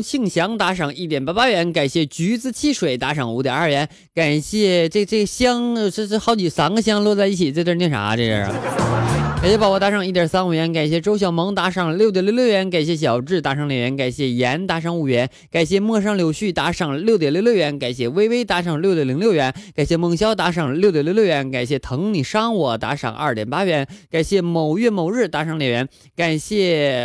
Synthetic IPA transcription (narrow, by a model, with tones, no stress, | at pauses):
t͡ɕʰi˥˩˧ŋɕjɑ˧˥ŋt̪a˧˥ʂɑ˨˩ŋi˥˩jɛ˨˩npa˥pa˥ɥɛ˧˥nka˨˩ɪɕjɛ˥˩t͡ɕy˧˥t͡sɹ̩˥˧t͡ɕʰi˥ʂwe˨˩ɪt̪a˧˥ʂɑ˨˩ŋu˧˥t̪jə̰˨˩ɐ˞˥˩ɥɛ˧˥n | ka˨˩ɪɕjɛ˥˧ʈ͡ʂɤ˥˧ʈ͡ʂɤ˥˩ɡə˩ɕjɑ˥ŋ˧˥˧xɑ˧˥ʊt͡ɕi˨˩sa˥nɡə˧ɕ̬jɑ˥ŋlwɔ˥˧t͡sa˥˧ɪi˥˩t͡ɕʰi˨˩t͡sʈ͡ʂ̪ə˥˧njɛ˥˩nʂʰa̰˨˩˧ʈ͡ʂɤ˥˧˩jə̰˨˩˧ | ka˨˩ɕjɛ˥˩pa˨˩wɔ˧˥t̪a˧˥ʂɑ˨˩˦ŋi˥˩t̪jə˞˨˩sa˥nu˥˩ɥɛ˧˥nka˨˩ɪɕjɛ˥˩ʈ͡ʂo˥ʊɕ̬jɑ˨˩ʊmɤ˧˥ŋt̪a˧˥ʂɑ˨˩ŋljo˥˩ʊt̪jnljljɥɛ˧˥nka˨˩ɪɕjɛ˥˩ɕ̬jɑ˨˩ʊʈ͡ʂɻ̩˥˩t̪a˧˥ʂɑ˧˥ŋljɥɛ˧˥nka˨˩ɪɕjɛ˥˩jɛ˧˥nt̪a˧˥ʂ̬ɑ˧˥ŋu˧˥˩ɥɛ˧˥n | ka˨˩ɪɕ̬jɛ˥˧mɤ˥˧ʂ̬ɑ˥ŋljo˧˥ʊɕy˥˩t̪a˧˥ʂɑ˨˩ŋljo˥˩ʊjɛ˨˩ljo˥˧jʊɥɛ˧˥nka˨˩ɪɕ̬jɛ˥˩we˥ɪwe˥ɪt̪a˧˥ʂɑ˨˩ŋlj̪jli˧˥ŋljo˥˧ʊɥɛ˧˥nkka˨˩ɪɕjɛ˥˧mɤ˧˩ŋɕjɑ˥ʊt̪a˧˥ʂɑ˨˩ŋljo˥˩ʊt̪jljljo˥˩ʊɥɛ˧˥nka˨˩ɪɕjɛ˥˩t̪ʰɤ˧˥ŋni˨˩ʂɑ˥ŋwɔ˨˩t̪a̰˧˥ʂɑ̰˨˩ŋʔɐ̰˞˥˩t̪jɛ˨˩pa˥ɥɛ˧˥nka˨˩ɪɕjɛ˥˩mo˨˩ʊɥɛ˥˩mo˨˩ʊɻɻ̩˥˩t̪a˧˥ʂɑ˧˥ŋljɛ˨˩ɥɛ˧˥n | ka˨˩nɕjɛ˥˩